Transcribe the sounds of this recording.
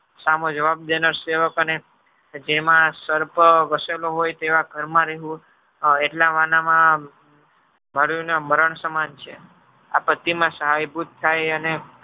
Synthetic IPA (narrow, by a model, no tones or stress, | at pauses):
samõd͡ʒəʋab̚d̪enəɾseʋəkəne | d͡ʒemãsəɾpʋəseloɦojt̪eʋaɡʱəɾmãɾeɦũ | eʈlaʋanamã | məɽjũneməɾəɳsəmant͡ʃʰe | apət̪imãsəɦajbʱut̪tʰːajəne